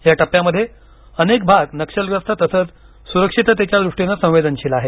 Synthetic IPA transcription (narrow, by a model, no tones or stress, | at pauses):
jaʈəpjaməd̪ʱːje | ənek̚bʱaɡnəkʂəlɡəst̪ʰət̪əsəːt͡s | suɾəkʂit̪t̪jat͡ɕjad̪ɾuʂʈinːasə̃w̃ʋed̪ənɕiːlaɦe